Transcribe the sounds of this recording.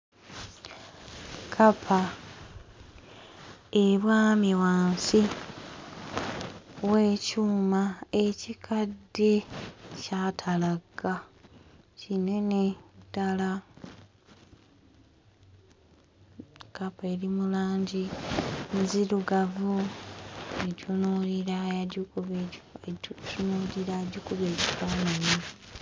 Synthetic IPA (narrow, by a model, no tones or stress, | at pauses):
kʰapʰa | eβwaːmiwaːnsi | we̞ːcuːmae̞cikʰadːe̞catʰalaɡːa | cine̞netːala | kapeɾimulaːɲɟinziɾuɡavu | eɟunoliɾaau | unuliɾaɟukuβeɟi̥faːnani